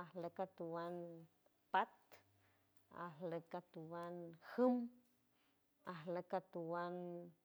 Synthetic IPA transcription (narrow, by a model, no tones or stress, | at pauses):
ahləkat̪uwan | pat̪ | a̰hləkat̪uwanhəm | ahləkat̪uwan